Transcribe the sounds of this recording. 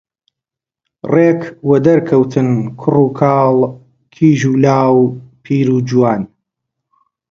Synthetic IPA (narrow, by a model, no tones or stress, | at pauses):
reːkwɐd̪ɐɾkʰɐwt̪ʰɨnkʰʊruːkʰaːl | kʰiːʒuːlaːwpʰiːɾuːd͡ʒuwaːn